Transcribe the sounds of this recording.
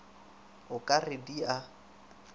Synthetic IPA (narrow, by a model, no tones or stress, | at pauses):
ʊkʼarɪdia